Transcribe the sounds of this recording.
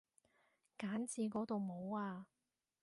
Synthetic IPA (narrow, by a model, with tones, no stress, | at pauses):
kaː˨˥nt͡siː˧kɔː˨˥t̪o˨wmo˨˧waː˧